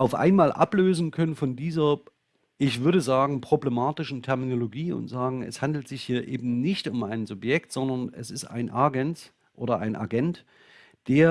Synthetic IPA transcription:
ʔaʊfʔa̰ɪnmaːlʔa̰pløːzn̩kʰœnənfɔndiːzɐ | ʔɪçv̥ʏɐɾəzaːɡŋ̩pʁ̥oblɛmaːtɪʃn̩tʰɛɐminoloɡiːʊ̰ntz̥aːɡŋ̩ɛ̰shandl̩tz̥ɪçhiːɐʔeːbm̩nɪçtʊmaɪnzʊpjɛktz̥ɔndɐnɛsɪsta̰ɪnʔaɡɛnt | ʔo̰ːɾɐʔa̰ɪnʔa̰ɡɛnt | d̥eːɐ

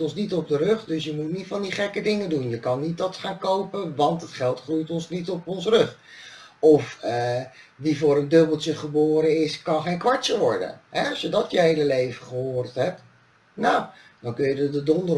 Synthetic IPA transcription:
tɔnsnitɔb̚dərɵχdɵsjəmutnitfɑndiχɛkədɪŋəndunjəkɑnːit̚dɑtχaːnkowpənʋɑntɦətχɛlˠtχrujtɔnsnitɔpɔnsərɵχ | ɔfə | ʋivʊːɾəndøbəlˠtəχəboːɾəɪskɑnχejnkʋɑɹtt͡ʃəʋɔɹdə̰nɦɛɑsjədɑtjəɦejləlejvəχəɦoːrtɦɛp̚t | nawd̥ɑnkɵnjədədədɔndə

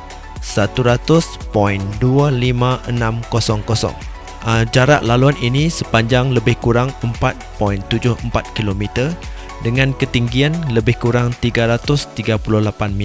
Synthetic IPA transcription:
sat̪uɾat̪ʊspɔindualimãʔənãmkosɔŋkosɔ̰ŋ | əd͡ʒaɾa̰ʔlaluaninisəpaɲd͡ʒaŋləbɪhkuɾaŋəmpat̪̚pɔint̪ud͡ʒʊhəmpat̪̚kilomit̪ər | dəŋãnkət̪iŋɡianləbɪhkuɾaŋt̪iɡaɾat̪ʊst̪iɡapulʊhlapanmi

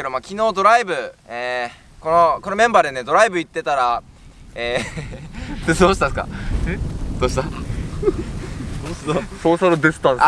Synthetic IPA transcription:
ed̪omakʲino̞ːd̪o̞ɾaibɯ̟eː | ko̞noko̞no̞mẽ̞mbaːd̪e̞ne̞d̪o̞ɾaibɯ̟it̪ːe̞t̪aɾa | eː | d̪oːɕi̥t̪asɨ̥ka̰ | d̪̥oːɕit̪a | d̪oːt̪asoːsaɾɯd̪esɨ̥t̪ã

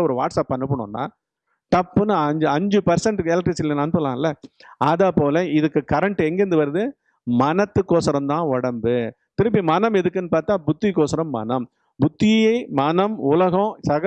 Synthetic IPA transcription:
ɔɾɯʋa̰ːʈsaːpːɐnːɯp̬ːɐɳʊ̰̃ːnːa̰ː | t̪ɐpːɯnɯɐɲd͡ʒɐɲd͡ʒɯpɐɾsɐɳʈɯɛlɐkʈːɾisɪlːɐnɐnɯp̬ːɯlãːɪlːɐɐðɐpoːlɐɪðɯkːɯkɐɾɐɳʈɯɛŋɡɛɾɯnd̪ɯʋɐɾɐðɯ | mɐnɐt̪ːɯkːoːsɐɾɐmd̪ãːɔɽɐmbɯ | t̪ɪɾɯp̬ːimɐnɐmɛðɯkːɯnːɯpaːɾt̪ãːbʊt̪ːɪkːoːsɐɾɐmːɐ̰nɐm | bʊt̪ːɪjjɐɪmɐnɐmʊlɐɣɐ̃sɐɣɐ

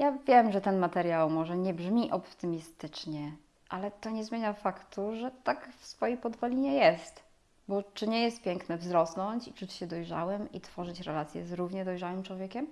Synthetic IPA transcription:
javʲjɛmʐɛt̪ɛnmat̪ɛɾʲjawmɔʐɛɲɛbʐmʲiʔɔpt̪ɘmʲist̪ɘt͡ʂɲɛ | ʔalɛt̪ɔɲɛzmʲeɲafakt̪uʐɛt̪akfsfɔjejpɔd̪vɔlʲiɲɛjɛst̪ | bɔt͡ʂɘɲɛjɛst̪̚pʲjɛŋknɛvzɾɔsnɔɲt͡ɕit͡ʂut͡ɕɕɛd̪ɔjʐa̰wɘmḭt̪fɔʐɘt͡ɕɾɛlat̪sʲjɛ̰zɾuvɲɛd̪ɔjʐawɘmt͡ʂwɔvʲjɛkʲɛm

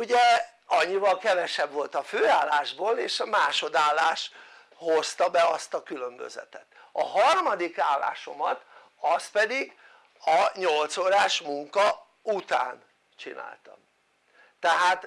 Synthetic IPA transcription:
uɟɛ | ɒɲːivɒlkɛvɛʃɛbʋo̞lt̪ɒføːaːlːaːʒboːleːʃɒmaːʃo̞d̪aːlːaːʃ | ho̞st̪ɒbɛɒst̪ɒkylømbø̰zɛ̰t̪ɛt̪ | ɒɦɒrmɒd̪ikaːlːa̰ːʃo̞̰mɒt̪ | ɒst̪̚pɛd̪iɡ | ɒɲo̞lt̪soːɾaːʃmuŋkɒ | ut̪a̰ːn | t͡ʃḭna̰ːlt̪ɒ̰m | t̪ːɛɦaːt̪

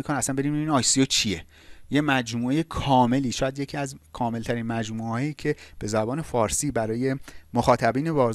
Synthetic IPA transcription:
ikʰoninæsænbe̞ɾiːnmebinɒːjsiot͡ʃʰije | je̞mæd͡ʒmuːejekʰɒːme̞liːʃɒːjæd̪je̞cʰiːæzkʰɒːme̞lt̪ʰæɾiːnmæd͡ʒmueɒːjiːcʰe̞b̥e̞zæbɒːne̞fɒːɾsiːbæɾɒːje̞moxɒːt̪ʰæbiːne̞bɒːz

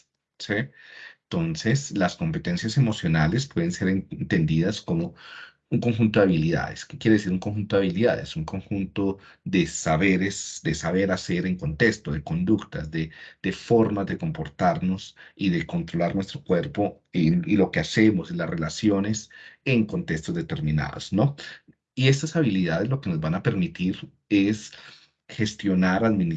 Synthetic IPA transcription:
sit̪o̞nse̞slasko̞mpe̞t̪e̞nsjase̞mo̞sjo̞nalespwe̞ðense̞ɾennt̪e̞nd̪iðasko̞mo | uŋko̞ŋxunt̪o̞ðaβiliða̰ðe̞skekjeɾeesiɾuŋko̞ŋxunt̪oaβiliða̰ðe̞̰suŋko̞ŋxunt̪o̞ | ðe̞saβeɾesd̪e̞saβe̞ɾase̞ɾeŋko̞nt̪ekst̪o̞ðe̞ko̞nd̪ukt̪azd̪ed̪̥e̞fo̞ɾmazd̪e̞ko̞mpo̞ɾt̪aɾno̞siðe̞ko̞nt̪ɾo̞laɾnwe̞st̪ɾo̞kwe̞ɾpo̞ | iilo̞ke̞ase̞mosilasre̞lasjo̞ne̞se̞ŋko̞nt̪eks̬t̪o̞zd̪e̞t̪eɾmĩna̰ðo̰sno̞ | ie̞st̪asaβiliðað̞e̞zlo̞ke̞no̞zbanape̞ɾmit̪iɾ | e̞s | xe̞st̪jo̞naɾaðmin

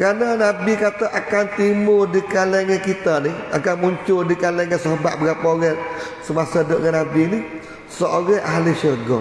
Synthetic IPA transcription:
kɾanənabikat̪əʔakant̪imʊrdikalɛŋakit̪aniakanmuɲt͡ʃʊdikalɛŋansəɦoba̰ʔ̪̚bəɡapoɣɛ | səmasadoʔŋanabini | səʔoɾəʔaɦliʃəɡɔ̰

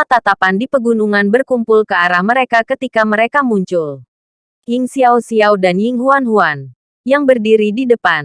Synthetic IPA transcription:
at̪at̪apandipəɡunuŋanbərkumpʊlkəaɾahməɾekakət̪ikaməɾekamuɲt͡ʃʊl | ɪŋsiawsiawdanjiŋɦuanɦuan | jaŋbərdiɾididəpan

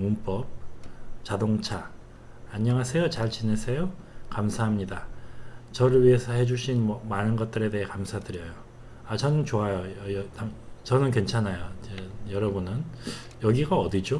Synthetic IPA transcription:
munp͈ʌp̚t͡ɕadoŋt͡ɕʰa | aɲʌŋɦasʰe̞jot͡ɕaɭt͡ɕinesʰe̞jo | kamsʰaɦamɲida | t͡ɕʌɾɯɭɥiɦe̞sʰʌɦhe̞d͡ʑuɕʰinmʌmanɯnɡʌt̚t͈ɯɾe̞deɦekamsʰadɯɾjʌjo | at͡ɕʌnɯnt͡ɕoajoʌjʌtaŋt͡ɕʌnɯnkwe̞nt͡ɕʰanajot͡ɕejʌɾʌbunɯn | jʌɡiɡaʌdid͡ʑo

